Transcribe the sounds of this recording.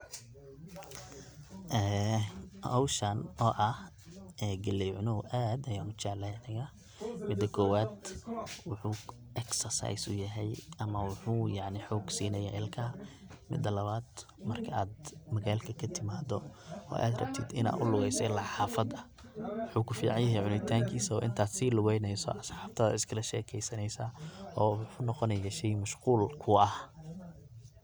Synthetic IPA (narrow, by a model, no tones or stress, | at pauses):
ʔɛː | hɔwʃɐnɔːʔɐh | ɛɡɐlɛjʕʊnɔʔaːd̪ɐjaːmʊt͡ʃaʕlɛnɐjɐ | mɪd̪ːɐkʰɔːwaːd̪wʊħuː | ʔɛksɐrsa̰jsʊ̰jɐɦɛjɐmɐwʊħuːjaʕnɪħɔːɡsiːnɐjaːʔɪlkʰɐː | mɪ̰d̪ːɐlɐβaːd̪ | mɐrkʰɐaːd̪mɐɣaːlkʰɐkʰɐt̪ʰɪmaːd̪ɔɔ̰ːʔa̰ːd̪rɐ̰b̚t̪ʰɪd̪ɪ̰na̰ːdʊlʊɣɛjsɛlaħaːfɐd̪ɐ | wʊħuːkʰʊfiːʕɑnjɐɦɛjʕʊnɪt̪ʰaːŋkʰiːsɐɔːʔɪ̰nt̪ʰaːd̪siːlʊɣɛjnɛjsɔ̰ʔɐsħaːft̪ʰɐðɐ̰ɪskʰɐlɐʃɛːkʰɛjsɐnɛjsaːɔːwħʊːnɔqɔnɛjɐʃɛjmɐʃquːlkʰʊɐh